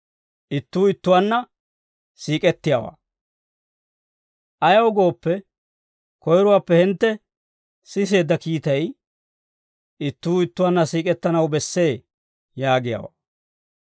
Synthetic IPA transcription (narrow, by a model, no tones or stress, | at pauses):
ʔɪt̪ːuːɪt̪ːʊwanːɐ | siːkʼɛt̪ːɪjaːwa̰ː | ʔɐjɐwʊɡo̞ːpːɛ | kɔjɾʊwaːpːɛhɪnt̪ːɛ | sɪs̬e̞ːd̪ːɐkiːt̪ɐj | ɪt̪ːuːɪt̪ːʊwanːɐsiːkʼɛt̪ːɐnɐwbɛsːe̞ː | jaːɡɪja̰ːwa̰ː